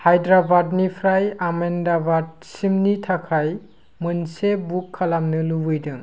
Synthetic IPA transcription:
hajdɾabadnipʰɾajamendabad̚simnitʰakʰaj | mɯnsebukʰːalamnɯlubɯjdɯŋ

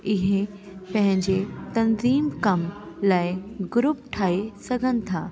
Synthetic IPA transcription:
ɪɦe | pɐ̃ɦɪ̃ɲd͡ʑet̪ɐnziːmkɐmlaːɪɡʊɾʊp̚ʈʰaːesɐɡʱənɪ̆t̪ʰaː

